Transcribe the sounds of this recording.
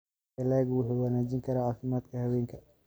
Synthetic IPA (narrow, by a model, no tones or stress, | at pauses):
ɐlɛːɣwʊħuːwɐnaːd͡ʒiŋkʰɐɾaːʕaːfɪmaːd̪kʰɐhɐwɛːŋkʰɐ